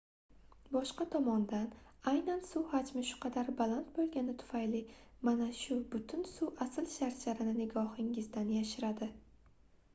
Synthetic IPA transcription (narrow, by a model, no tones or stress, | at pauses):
bɒʃqɑt̪ʰɒmɒnd̪anajnansuhad͡ʒmɪʃʊ̥qʰɑd̪aɾbalˠant̪̚bolˠɡʲanɪt̪ʰʊ̥fajlɪmanaʃʊbʊt̪ʰʊnsuwʔasɪlʃaɾt͡ʃʰaɾɪnɪnɪɡɒhɪŋɪzd̪anjaʃɪɾad̪ɪ